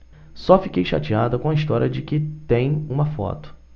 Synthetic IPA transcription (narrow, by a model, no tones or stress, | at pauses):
sɔfikejʃa̰t͡ʃiad̪ɐkõɐiʃt̪ɔɾʲiɐd͡ʒɪkɪt̪ẽj̃ũmɐfɔ̰t̪ʊ̥